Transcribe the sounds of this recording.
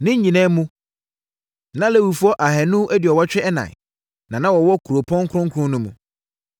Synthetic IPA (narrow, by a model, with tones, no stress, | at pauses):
nɪ̃˦ɲĩ˨nɛ̃ː˦mũ˦ | nã˦lɛ˦˨wu˨fu˦ɔ˦ʔa˨ɦɛ˨nʊ̃˦ʔæ˦dɪ˨ɔ˨wɔ˦t͡ɕᶣɪ˦ɛ˦nã̰˨ | nã˨nã˦wɔ˨wɔ˦kʰu˨ɾo˨pʰɔ̃˦ŋ̩˦kʰʊ˦ʊ̃˦ŋ˦kʰʊ̃˦nʊ̃˦mṵ̃˨